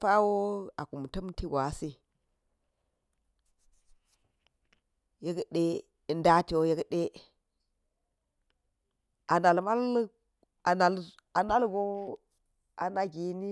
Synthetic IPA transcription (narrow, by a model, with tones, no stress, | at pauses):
fa˦wo˦a˨ku˨m˨tə˦mti˦ɡʷa˨˦si˦ | je˦ɡɗe˦˨ | nda˦ti˨wo˦je˦ɡɗe˦ | a˨na˨lma˦l | a˨na˨l | a˨na˦lɡo˦ | a̰˨na˨ɡi˨ni˦